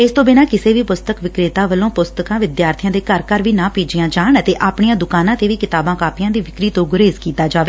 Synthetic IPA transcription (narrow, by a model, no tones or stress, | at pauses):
ɪst̪õːbɪnaːkɪseːʋiːpʊst̪əkʋɪkɾeːt̪ãːʋəlõːpʊst̪əkãːʋɪd̪jaːɾt̪ʰɪjãːd̪eːkəɾkəɾʋiːnãːpiːd͡ʒɪjãːd͡ʒaːɳət̪eːʔaːpɳɪjãːd̪ʊkaːnãːt̪eːʋiːkɪt̪aːbãːkaːpijãːd̪iːʋɪkɾiːt̪õːɡʊɾeːzkiːt̪aːd͡ʒaːʋeː